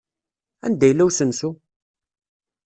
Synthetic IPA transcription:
æ̰nd̪æjlːæwsənsu

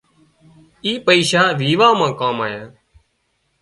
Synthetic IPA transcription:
iːpəiːʃaːʋiːʋaːmãːkaːmaːjãː

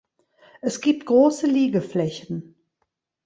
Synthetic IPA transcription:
ʔɛsɡ̥iːp̚tɡ̥ʁoːsəliːɡəflɛçən̩

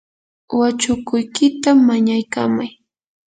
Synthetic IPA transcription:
wat͡ʃʊkʊjkɪt̪amːaɲajkamaj

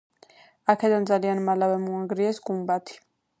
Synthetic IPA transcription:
akʰɛd̪and̪zalianmalavɛmuaŋɡɾiɛsɡumbat̪ʰi̥

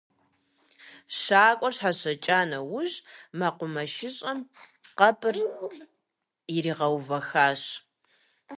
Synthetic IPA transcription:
ɕaːkʷʼɔrɕħaɕɐt͡ʃʼaːnɐwʊʑmaqʷʊmɐʃɪɕʼɐmqɐpʰɨr | ɪɾiːʁɐwvɐxaːɕ

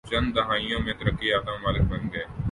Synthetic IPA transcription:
t͡ʃə̃nd̪ɐɦaːɪjõmẽt̪əɾəkːiaːd̪əmmaːlɪk̚bənɡeː

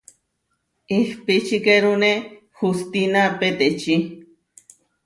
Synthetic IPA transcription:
ihpit͡ʃikeɾune | xust̪inapet̪et͡ʃi

